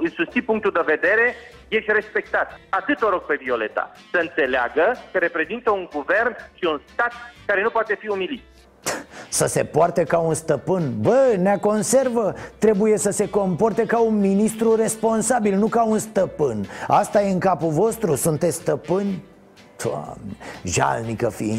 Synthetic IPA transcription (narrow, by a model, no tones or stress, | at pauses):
ɨsust̪ipuŋk̚t̪uld̪eve̞d̪e̞ɾe̞ | je̞ʃt̪ʲre̞spe̞k̚t̪at̪at̪ɨt̪oɾoɡ̚pe̞vio̞le̞t̪a̰ | səɨnt̪se̞lea̰ɡəkəɾe̞pɾezint̪əuŋɡuve̞rnʃiunst̪at̪̚kaɾe̞nupoat̪e̞fiumilit̪̚ | səse̞̰poart̪ekaunst̪əpɨnbəneako̞nse̞rvət̪ɾe̞buje̞səse̞ko̞mpo̞rt̪ekaunminist̪ɾuɾe̞spo̞nsabilnukaunst̪əpɨnast̪ajeɨŋkapuvo̞st̪ɾusunt̪esʲst̪əpɨnʲ | t̪ʰa̰ʒa̰lnikəfi